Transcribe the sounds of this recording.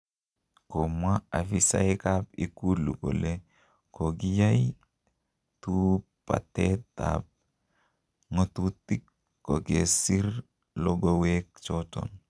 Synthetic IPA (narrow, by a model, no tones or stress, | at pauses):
komwaafisa̰jkapikuluko̰le | koɡijaj | tu | pa̰teta̰p̚ | ŋotutikː | oɡesiɾ | loɡowek̚t͡ʃɔtɔ̰n